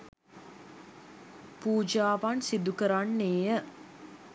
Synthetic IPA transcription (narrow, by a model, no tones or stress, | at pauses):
puːd͡ʒaːʋansid̪ukəɾanːeːjə